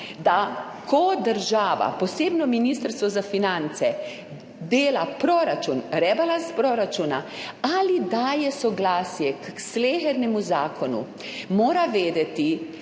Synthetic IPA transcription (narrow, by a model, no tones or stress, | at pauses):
d̪a | kʰɔd̪əɾʒaːʋa̰pɔseːbnɔminist̪əɾst̪ʋɔzafinant̪sɛ | d̪eːlapɾoːɾat͡ʃunɾɛbalaspɾoːɾat͡ʃunaalid̪aːjɛsɔɡlaːsjɛksleːxɛɾnɛmuzaːkʰɔnṵ | moːɾaʋeːd̪ɛt̪i